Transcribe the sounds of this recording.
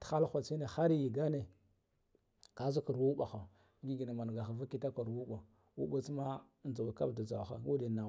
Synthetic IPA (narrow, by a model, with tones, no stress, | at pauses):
txa˦lxʷa˨t͡si˦ne˨xa˦ɾji˨ɡa˦ne˨ | ka˨˦zu˦ku˨ɾwu˦ɓa˨xa˨˦ | ɡi˦ɡi˨na˨ma˨n˨ɡa˨xa˨va˦ki˦ta˦ka˨ɾwu˦ɓa˨ | wu˦ɓa˦t͡sma˦n˨a˨wa˨ka˦bda˨za˨wxa̰˦u˦di˨na˨˦